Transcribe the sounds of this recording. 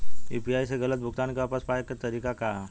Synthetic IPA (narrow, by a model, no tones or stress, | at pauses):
ḭːpiaːjseɣɐlət̪̚bʱʊɡt̪aːnkeaːpəspaːjekat̪ɐɾiːkaka